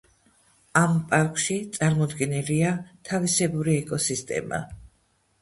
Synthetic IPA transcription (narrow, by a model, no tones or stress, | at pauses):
ampʼaɾkʰʼʃit̪sʼaɾmɔd̪ɡɛnɛliat̪ʰavisɛbuɾiɛkʼɔsist̪ʼɛ̰ma̰